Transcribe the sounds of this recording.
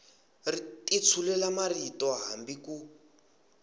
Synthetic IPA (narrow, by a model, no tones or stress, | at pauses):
ritʼit͡sʰulɛlamaritɔɦambiku